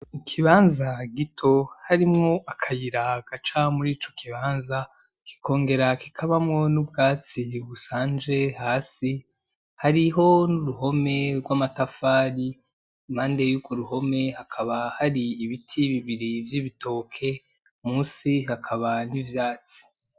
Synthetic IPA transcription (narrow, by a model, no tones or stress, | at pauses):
ikʰiβaːnzaɡitʰo̞haɾimŋo̞akʰajiɾaɡ̥at͡ʃamuɾiːt͡ʃo̞kʰiβaːnza | ki̥kʰo̞ːŋɡe̞ɾaki̥kʰaβamŋo̞nub̚ɡaːt͡siβusaːnd͡ʒe̞haːsi | haɾiɦo̞nuɾuɦo̞me̞ɾɡwamatafaːɾi | mhaːnde̞juɡwoɾuho̞me̞hakʰaβahaɾiːβitʰiβiβiɾivjiβito̞ːkʰe̞ | umuːsihakʰaβanivjaːt͡si̥